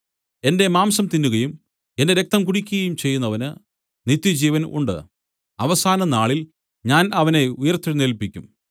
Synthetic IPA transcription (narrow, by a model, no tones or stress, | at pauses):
e̞nde̞maːmsɐmt̪inːuɣɐjum | e̞ndeɾe̞k̚t̪ɐmkuɽikʲːuɣɐjumt͡ɕe̞jːunːɐʋɐnɨ | nit̪ːjɐd͡ʑiːʋɐnṵɳɖɨ̰ | ɐʋɐsaːnɐnaːɭil | ɲaːnɐʋɐne̞ujɐrt̪ːiɽneːlpːikʲːum